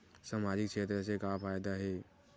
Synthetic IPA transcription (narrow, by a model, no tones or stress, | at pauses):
samad͡ʒik̚t͡ʃʰet̪ɾəsekapʰajd̪aɦe